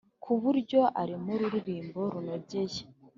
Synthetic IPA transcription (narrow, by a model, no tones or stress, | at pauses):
kʰuβuɾɟo̞ʔaɾimuɾuɾiɾiːmbo̞ɾunoɾɟeje